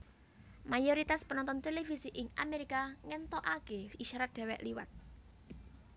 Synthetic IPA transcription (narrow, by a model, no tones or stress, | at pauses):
majoɾit̪aspənɔnt̪ɔnt̪elefisiʔɪŋʔa̰meɾikaŋɛnt̪ɔʔakeiʃaɾat̪̚d̪̥ɛ̤wɛ̰ʔliwa̰t̪̚